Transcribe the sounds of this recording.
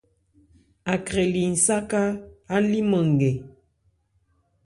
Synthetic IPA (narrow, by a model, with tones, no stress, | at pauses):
a˨kɾe˨li˨n̩˨sa˦ka˦a˦li˦mə˨ŋ̩˨ɡe˨